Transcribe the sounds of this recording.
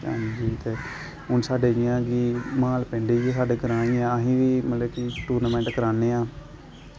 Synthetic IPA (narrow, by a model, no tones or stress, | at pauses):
ã̰ːnd͡ʒiːt̪eː | ɦʊnsaːɖeːd͡ʒɪãːɡiːmaːlpẽːɳɖeːd͡ʒesaːɖeːkəɾãːɽ̃ĩːãːəɦĩːʋiːmət̪ləbkɪʈuːɾnəmɛ̃ːɳʈkəɾaːneːãː